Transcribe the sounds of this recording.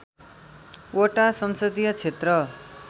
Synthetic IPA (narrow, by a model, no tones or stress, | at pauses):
oʈasʌnsʌd̪ijʌt͡sʰet̪rʌ